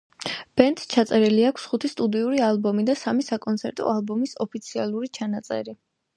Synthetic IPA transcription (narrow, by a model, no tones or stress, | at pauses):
b̥ɛnt̪ʼt͡ʃʰat̪sʼɛɾɛliakʰsχut̪ʰist̪ʼud̪iuɾialˠbɔmid̪asamisakʼɔnt̪sʰɛɾt̪ʼɔ̰alˠbɔmisɔpʰit̪sʰialˠuɾit͡ʃʰanat̪sʼɛ̰ɾi